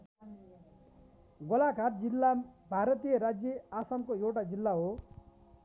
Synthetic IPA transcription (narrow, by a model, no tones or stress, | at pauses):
ɡɔlakaɾd͡ʒilːabʱaɾʌt̪ijʌɾad͡ʒjʌasamkoewʈad͡ʒilːaɦo